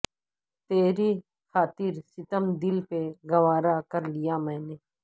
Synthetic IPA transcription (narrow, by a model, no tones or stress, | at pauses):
t̪eːɾi | xʰaːt̪ɪɾsɪt̪əmd̪ɪlpeɡɐʋaːɾakɐɾlijamɛ̃ːneː